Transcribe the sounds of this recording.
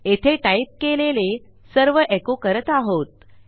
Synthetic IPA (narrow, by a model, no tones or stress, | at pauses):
et̪ʰeʈaip̚kelele | səɾʋəʔekokəɾət̪aɦot̪̚